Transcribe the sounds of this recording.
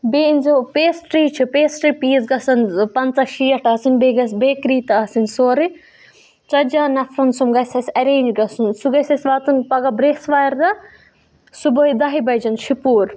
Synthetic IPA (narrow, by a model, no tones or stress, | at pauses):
beːnzopeːsʈɾiːt͡ʃʰipeːsʈɾiːpiːzɡɐsɐnpɐnt͡sɐʃiːɐʈɐːsinbeɡɐsbeːkɾiːt̪aːsinsoːɾi | t͡ʃɐd͡ʒaːnɐfʰɾɐnsumɡɐsɐsʲɐɾeːnd͡ʒɡɐsunsuɡɐsɐsʋaːt̪unpɐɡɐbɾeːsʋaːɾd̪ɐ | suboːid̪ɐɦibɐjd͡ʒɐnʃipuːɾ